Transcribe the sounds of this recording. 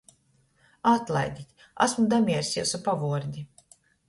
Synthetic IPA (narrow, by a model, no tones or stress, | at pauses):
at̪lˠa̰jd̪ʲit̪ʲ | a̰smud̪amʲiɛɾsʲiwsupavuɔɾd̪ʲi